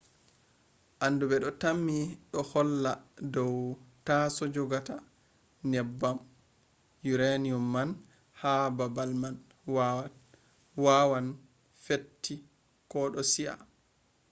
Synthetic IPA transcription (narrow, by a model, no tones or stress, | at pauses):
ʔandubɛɗɔtamːiɗɔhɔlːadɔwtasɔd͡ʒɔɡata | nɛbːam | juɾeniɔmːan | hababalman | wa | wawan | fetːi | kɔɗɔsia̰